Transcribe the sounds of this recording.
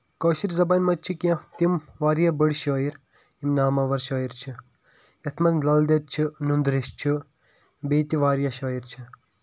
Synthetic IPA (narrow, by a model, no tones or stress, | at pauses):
kɐːʃiɾzɐbaːnʲmɐt͡ʃʰikʲɐ̃t̪imʋaːɾjɐbəɽʃɐːiɾ | imnaːmɐʋɐɾʃɐːiɾt͡ʃʰi | jɐt̪ʰmɐzlɐld̪ɐt͡ʃʰinund̪ɾiʃt͡ʃʰu | beːt̪iʋaːɾijɐʃɐːiɾt͡ʃʰi